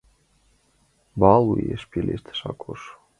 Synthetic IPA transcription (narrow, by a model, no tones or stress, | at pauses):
bɑlˠujḛʃpʲelʲeʃt̪ʰe̥ʃɑ̰kʰoʃ